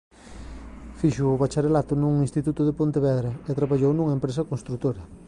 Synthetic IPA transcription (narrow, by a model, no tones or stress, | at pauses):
fiʃʊːβat͡ʃaɾelat̪ʊnuŋinst̪it̪ut̪ʊðepont̪eβɛðɾɐet̪ɾaβaʎownuŋɐempɾesɐkonst̪ɾut̪oɾɐ